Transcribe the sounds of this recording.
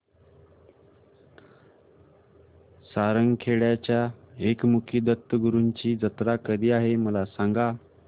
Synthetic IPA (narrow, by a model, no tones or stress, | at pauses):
saɾəŋɡkʰeɭjat͡ɕjaekmukʰiːd̪ət̪ːəɡəɾuɲt͡ɕiːd͡zət̪ɾakəd̪ʱiːaɦeməlasaŋɡa